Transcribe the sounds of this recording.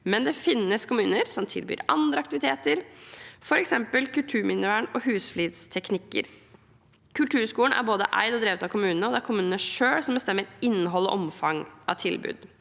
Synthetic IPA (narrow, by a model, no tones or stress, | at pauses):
mɛnd̪ɛfɪnːəskʰʊmʉːnəɾsɔmt̪ʰɪ̰lby̰ːɾəʔɑnd̪ɾəɑkt̪ɪʋɪt̪ʰeːt̪əɾfɔɾɛksɛmpəlkʰʉlt̪ʰʉːɾmʔɪnəʋæːɳɔɦʉːsfliːd̪st̪ʰɛknɪkːə̰ɾ | kʰʉlt̪ʰʉːɾʂkuːəɳ̩ʔæ̰ɾboːd̪ə̰ʔæ̰ɪd̪ɔd̪ɾeːʋət̪ɑkʰʊmʉːnənəɔd̪ɛæɾkʰʊmʉːnnəʂøːɽsɔmbəst̪ɛmːəɾɪnːəɦɔlːəʔɔmfɑŋɑ̰ʋt̪ʰɪlbʉ̰ːd̪